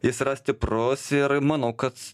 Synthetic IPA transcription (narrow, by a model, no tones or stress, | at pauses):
jɪsɾɑsʲt̪ʲɪpɾʊsɪɾmɐnɐʊkɐt̪